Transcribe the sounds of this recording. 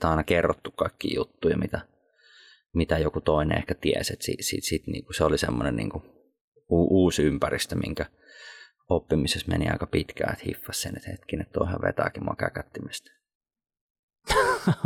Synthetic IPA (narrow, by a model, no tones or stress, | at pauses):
t̪ɑˑinɑkerːot̪ːukkɑikːḭːjut̪ːuːjɑmit̪æ | mit̪æjokut̪oˑinḛḛhkæt̪ieset̪sḭsit̪sit̪nḭːŋkuseolisḛmːonenḭːŋku | uːʔuːsympærist̪æmʔḭŋkæ | opːimisesmḛniɑ̰ˑikɑpit̪kæ̰et̪hḭfːɑssenet̪hḛt̪kinet̪t̪oˑehɑʋʋḛt̪ɑ̰kimo̰ɑkækæt̪ːimest̪